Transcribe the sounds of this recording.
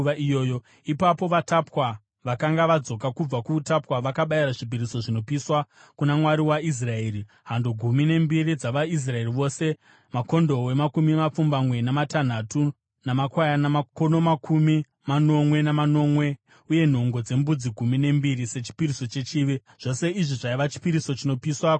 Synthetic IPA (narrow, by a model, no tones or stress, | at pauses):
ʋaijoːjo | ipapo̞ʋatapwa | ʋakaŋɡaʋad͡zo̞kakub͡vakuːtapwaʋakaɓaiɾaʐip̬iɾiso̞ʐino̞piswa | kunamwaɾiwais̬rae̞ːri | ɦandoɡʱumine̞mbiɾid͡zaʋais̬rae̞riʋo̞ːse̞ | mako̞ndo̞we̞makumimap͡fumbamwe̞namatan̤atu | namakwajanamako̞no̞makumi | mano̞mwe̞namano̞mwe̞ | uje̞n̤o̞ŋɡo̞d͡ze̞mbud͡ziɡʱumine̞mbiɾise̞t͡ʃi̥piɾiso̞t͡ʃe̞t͡ʃiːʋe | ʐ̥o̞se̞iʐiʐaiʋat͡ʃi̥piɾiso̞t͡ʃino̞piswa